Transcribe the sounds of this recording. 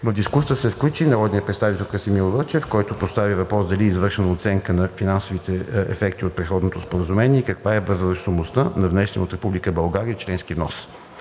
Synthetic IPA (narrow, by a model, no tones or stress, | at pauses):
vəvd̪iskust̪əsɛfklʲut͡ʃinɐɾɔd̪nijəpɾɛt̪st̪avit̪ɛlˠkəsimilˠvət͡ʃɛfkɔjt̪ʊpost̪avivɐpɾɔsd̪ɐliːzvɤɾʃɛnəot̪sɛŋkənɐfinansovit̪ɛɛ̰fɛkt̪iot̪pɾɛt̪xɔd̪not̪ospoɾəzumɛnʲiɛikɐkvaɛvəzɾəʃsomʊst̪ənɐvnɛsnot̪ɾɛpublikəbɐlˠɡaɾiəit͡ʃlɛnsk̟ivnɔs